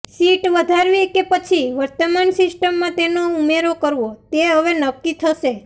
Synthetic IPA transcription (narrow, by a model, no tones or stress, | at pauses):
siʈʋəd̪ʱaɾʋikepət͡ʃʰiʋəɾt̪əmansɪsʈəmːãt̪enoumeɾokəɾʋot̪eɦəʋenəkːit̪ʰəʃe